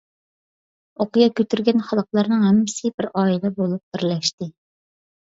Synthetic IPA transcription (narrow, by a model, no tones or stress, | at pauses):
oqɨjɑkʲøt̪yɾɡʲɛnχɑlˠəqlˠɑɾnɨŋhɛmːɪsɪbɪɾɑːilɛbolˠup̚d̪ɪɾlɛʃt̪ɪ